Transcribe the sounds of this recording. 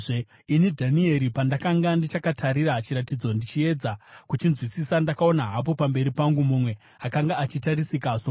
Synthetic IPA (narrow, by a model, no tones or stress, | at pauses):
inidʱanie̞ɾipandakaŋɡandit͡ʃakatʰaɾiɾat͡ʃiɾatid͡zo̞ndit͡ʃie̞d͡zakut͡ʃinzwisisandakao̞naɦapo̞pambe̞ɾipaŋɡumumwe̞ | akaŋɡaːt͡ʃitaɾisikaso